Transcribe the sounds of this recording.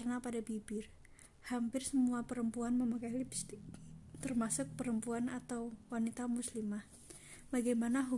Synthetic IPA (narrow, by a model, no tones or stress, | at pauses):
rnapadabibɪr | hampɪrsəmuapəɾəmpuanməmakalibi̥st̪ɪk̚t̪ərmasʊk̚pəɾəmpuanat̪awwanit̪amuslimah | baɡamanaɦu